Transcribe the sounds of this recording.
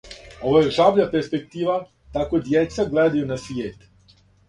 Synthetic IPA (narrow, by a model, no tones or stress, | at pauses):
oʋajeʒabʎapeɾspek̚t̪iːʋa | t̪akod̪jet̪saɡleːd̪ajunasʋjeːt̪